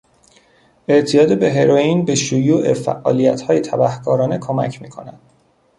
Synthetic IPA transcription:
ʔe̞ʔt̪ʰijɒːd̪ebe̞ɦe̞ɾojiːnbeʃujuːʔe̞fæ̰ʔːɒ̰ːlijæt̪hɒːjet̪ʰæbæhkʰɒːɾɒːne̞kʰomæ̰cʰmiːkʰo̞næ̰d̪̥

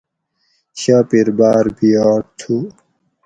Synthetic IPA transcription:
ɕaːpiɾbaːɾbiaːʈʰu

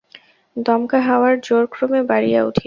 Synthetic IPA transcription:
d̪ɔmkaɦaoaɾd͡ʑoɾkɾomebaɽijaṵʈʰi

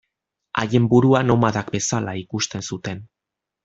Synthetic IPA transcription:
a̰je̞mbuɾuano̞maðakbe̞salaikust̪e̞nsut̪e̞n

